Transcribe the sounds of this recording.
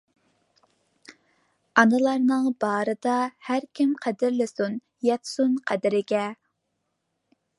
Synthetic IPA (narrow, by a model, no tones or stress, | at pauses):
ɑnɨlˠɑɾnɨŋbɑːɾɨd̪ɑhæɾkʲʰɪmqʰæd̪ɪɾlɪsun | jɛt̪sunqʰæd̪ɪɾɪɡʲɛ